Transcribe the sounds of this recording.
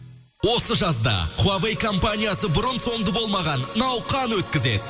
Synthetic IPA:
wo̞səʒɑsd̪ɑ̰qʰʊɑvejkʰo̞mpanʲijasəbʊɾənso̞ɴd̪əbo̞lˠmɑʁɑnnɑwqɑnwɵt̪kʲɪze̞̰d̪ɪ

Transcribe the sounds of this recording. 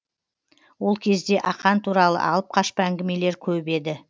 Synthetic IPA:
wo̞lˠkʲʰe̞zd̪e̞ʔɑqɑnt̪ʰuɾɑlˠə̰ʔɑ̰lˠəp̚qʰɑʃpəæŋɡʲɪme̞le̞ɾkʲʰɵbe̞d̪ɪ

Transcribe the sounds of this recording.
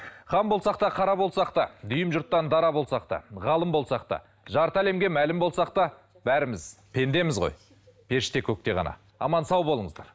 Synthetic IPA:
χɑmbo̞lˠsɑqt̪ɑqʰɑɾɑbo̞lˠsɑqt̪ɑd̪ʏjəmʒʊɾt̪ːɑnd̪ɑɾɑbo̞lˠsɑqt̪ɑ̰ʁɑlˠəmbo̞lˠsɑq̚t̪ɑ̰ | ʒɑɾt̪æle̞mɡʲe̞mælɪmbolˠsɑqt̪ɑ | bæɾɪmɪzpʰe̞nd̪e̞mɪzʁo̞̰j | pʰe̞ɾʃɪ̥t̪e̞kʲʰɵk̚t̪e̞ʁɑ̰nɑ̰ | ɑ̰mɑnsɑwbolˠəɴəzd̪ɑɾ

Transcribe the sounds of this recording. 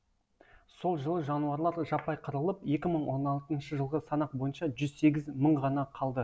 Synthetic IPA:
so̞lˠʒəlˠəʒɑnuɑɾlˠɑɾʒɑpɑjqʰəɾəlˠəpje̞kʲɪməɴwo̞nɑlˠt̪ənʃəʒəlˠʁəsɑnɑq̚bo̞jənʃɑʒʏzse̞ɡʲɪzməɴʁɑnɑqʰɑlˠd̪ə

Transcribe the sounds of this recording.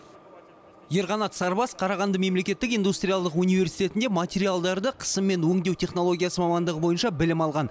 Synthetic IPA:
je̞ɾʁɑnɑt̪sɑɾbɑsqʰɑɾɑʁɑnd̪əme̞mle̞kʲe̞t̪ːɪkijnd̪ust̪rʲijalˠd̪əqunive̞ɾsijt̪e̞t̪ɪnd̪emat̪ʲeɾijalˠd̪ɑɾd̪əqʰə̥səmːe̞nwɵŋd̪e̞wt̪ʲʰe̞χno̞lˠo̞ɡʲijasəmɑmɑnd̪əʁəbo̞jənʃɑbɪlɪmɑlˠʁɑn

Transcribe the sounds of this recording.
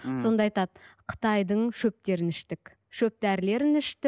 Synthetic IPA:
so̞nd̪ɑɑjt̪ɑd̪qʰə̥t̪ɑjd̪əɴʃɵp̚t̪e̞ɾɪnɪʃt̪ɪk | ʃɵp̚t̪æɾle̞ɾɪnɪʃt̪ɪ

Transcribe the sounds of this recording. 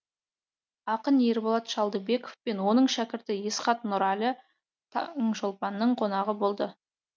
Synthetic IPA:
ɑqənjeɾbolˠɑt̪ʃɑlˠd̪əbe̞kofpe̞nwo̞nəɴʃækʲɪɾt̪ɪjesqɑt̪nʊɾɑlʲɪ | t̪ʰɑŋʒolˠpɑnːəɴqʰo̞nɑʁəbo̞lˠd̪ə

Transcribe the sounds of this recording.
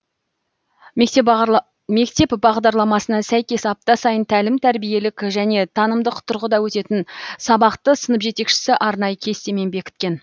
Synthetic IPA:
me̞kt̪e̞pbɑʁd̪ɑɾlˠɑmɑsənɑsæjkʲe̞sɑp̚t̪ɑsɑjənt̪ʰælɪmt̪ʰæɾbije̞lɪkʲʒæne̞t̪ʰɑnəmd̪əqt̪ʰʊɾʁəd̪ɑwɵt̪e̞t̪ɪnsɑbɑqt̪əsənəpʒe̞t̪e̞kʃɪ̥sɪʔɑɾnɑjəkʲʰe̞st̪eme̞nbe̞kʲɪ̥t̪̚kʲe̞n

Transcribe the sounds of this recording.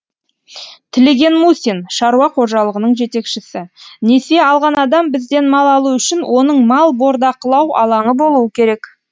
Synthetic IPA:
t̪ʰɪle̞ɡʲe̞nmusʲinʃɑɾuɑqʰo̞ʒɑlˠəʁənəɴʒe̞t̪e̞kʃɪsɪne̞se̞ɑlˠʁɑnɑd̪ɑmbɪzd̪e̞nmɑlˠɑlˠuʏʃɪnwʔo̞nəɴmɑlˠbo̞ɾd̪ɑqəlˠɑwʔɑ̰lˠɑɴəbo̞lˠuəkʲʰe̞ɾe̞k

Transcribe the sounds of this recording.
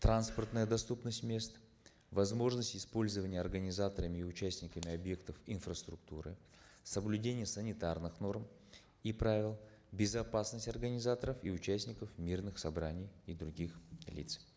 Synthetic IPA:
t̪ɾanspərt̪nəjəd̪ɐst̪upnəsʲtʲmʲe̞st̪ | vɐzmo̞ʐnəsʲtʲɪspo̞lʲzəvənʲɪjəɐrɡənʲɪzat̪əɾəmʲɪːʊt͡ɕæsʲnʲɪkəmʲɪɐbje̞kt̪əfɪnfɾəst̪ɾʊk̚t̪uɾɨ̰ | səblʲʉdʲenʲɪjəsənʲɪt̪arnɨxno̞rm | ipɾavʲɪlˠ | bʲɪzɐpasnəsʲtʲɐrɡənʲɪzat̪əɾəfiʊt͡ɕæsʲnʲɪkəfmʲirnɨxsɐbɾanʲɪjid̪ɾʊɡʲixlʲḭt̪s

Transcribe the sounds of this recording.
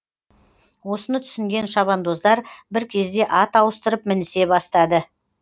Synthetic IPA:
wo̞sənət̪ʰʏ̥sɪŋɡʲe̞nʃɑβɑnd̪o̞zd̪ɑɾbɪɾkʲʰe̞zd̪e̞ʔɑt̪ɑwəst̪əɾəp̚mɪnɪse̞bɑst̪ɑd̪ə

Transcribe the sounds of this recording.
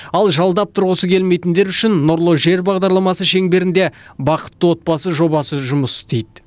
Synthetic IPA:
ɑlˠʒɑlˠd̪ɑp̚t̪ʰʊɾʁəsəkʲʰe̞lme̞jt̪ɪnd̪e̞ɾʏʃɪnːʊɾlˠoʒe̞ɾbɑʁd̪ɑɾlˠɑmɑsəʃe̞ŋbe̞ɾɪnd̪e̞bɑqə̥t̪ːəwo̞t̪̚bɑsəʒo̞bɑsəʒʊməst̪ejd̪

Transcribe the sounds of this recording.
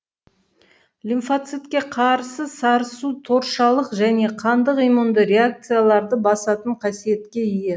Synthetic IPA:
lʲinfat̪sɨt̪kʲe̞qʰɑɾsəsɑɾəsut̪ʰo̞ɾʃɑlˠəqʒæne̞qʰɑnd̪əqijmund̪əɾe̞ak̚t̪sɨjalˠɑɾd̪əbɑsɑt̪əɴqʰɑsije̞t̪kʲe̞ije

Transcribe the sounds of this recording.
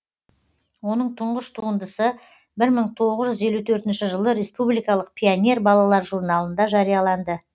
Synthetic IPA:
wo̞nəɴt̪ʰʊɴʁəʃt̪ʰuənd̪əsə | bɪɾməɴt̪ʰo̞ʁəzʒʏze̞lut̪ʰɵɾt̪ɪnʃɪʒəlˠəɾe̞spublˠijkɑlˠəq̚pʲʰijonʲe̞rbɑlˠɑlˠɑɾʒuɾnɑlˠənd̪ɑʒɑɾijɑlˠɑnd̪ə

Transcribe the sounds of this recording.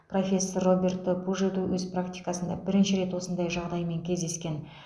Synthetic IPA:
pro̞fʲe̞sːorːo̞bʲe̞rt̪əbuʒed̪uwɵzprakt̪ʲijkasənd̪ɑbɪɾɪnʃɪɾe̞t̪wo̞sənd̪ɑjʒɑʁd̪ɑjme̞ŋkʲʰe̞zd̪e̞skʲe̞n

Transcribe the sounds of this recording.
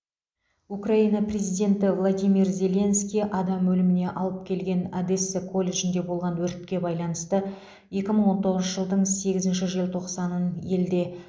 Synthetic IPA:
ukraijnɑprʲe̞zijd̪ʲe̞nt̪ɪvlˠod̪ijmirzʲe̞lʲe̞nskʲijʔɑd̪ɑmːɵlɪmɪne̞ʔɑlˠəp̚kʲʰe̞lɡʲe̞nad̪esːɪkʰo̞lʲːe̞ʒɪnd̪e̞bo̞lˠʁɑnwɵɾt̪̚kʲe̞bɑjlˠɑnəst̪ə | je̞kʲɪməɴwo̞nt̪ʰo̞ʁəzʃəʒəlˠd̪əɴse̞ɡʲɪzɪnʃɪʒijlˠt̪ʰo̞qsɑnəne̞ld̪e̞

